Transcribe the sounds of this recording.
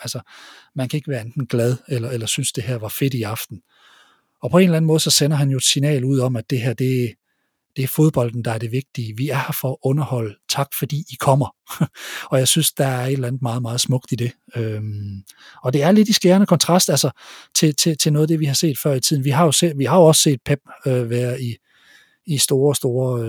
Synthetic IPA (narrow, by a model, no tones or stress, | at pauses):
ælsɐmænkʰæe̝ɡ̥əʋæːɐend̥n̩ɡ̥læð̞ˠelɐelɐsynsd̥e̝ɦæɐʋɑ̈fe̝d̥iɑ̈fd̥n̩ | ɒ̽pʰɒe̝ːnlæn̩mɔ̽ð̩ˠsɒ̽senɐɦænjo̝e̝d̥sinɛ̰ːluð̰ˠɒ̽mæd̥e̝ɦæɐ̰d̥e̝æ | d̥e̝æɐfo̝ð̞ˠb̥ɒ̽l̰d̥n̩d̥ɑ̈æɐd̥e̝ʋe̝ɡ̥̚d̥iəʋiæɐhæɐfɒ̽ɔ̽nɐhɒ̽l̰t͡sʰɑ̈ɡ̥fɒ̽d̥ḭːikʰɒ̽m̰ɐ | ɒ̽jɑ̈ɪsynsd̥ɑ̈æɐɐe̝d̥lænð̩ˠmɑ̈ːð̞̩ˠmɑ̈ːð̩ˠsmɔ̽ɡ̥̚d̥id̥e̝ | ø | ɒ̽d̥e̝æɐle̝d̥isɡ̥eːɐnəkʰɒ̽nt͡sʰʁɑ̈sd̥ælsɐt͡sʰe̝t͡sʰe̝t͡sʰe̝nɔ̽ːðˠd̥e̝ʋihɑ̈se̝̰ːd̥fɶɐ̰it͡sʰið̰ˠn̩ʋiɦɑ̈jo̝seʋiɦɑ̈jo̝ɒ̽sse̝̰ːd̥̚pʰeb̥̚øʋæɐðˠi | isd̥o̝ːɐsd̥o̝ːɐ